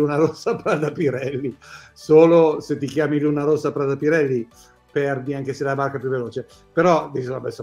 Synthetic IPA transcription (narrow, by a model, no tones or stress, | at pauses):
unaɾosːapɾad̪apiɾɛlːisoːloset̪ːikjaːmilunaɾosːapɾad̪apiɾɛlːi | pɛrd̪iaŋkeselabarkapjuvːeloːt͡ʃe | peɾɔd̪it͡ʃislabɛsa